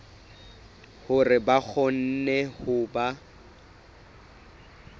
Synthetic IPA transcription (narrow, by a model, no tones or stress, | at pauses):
hʊrɪbak͡xʰɔn̩nɛhʊba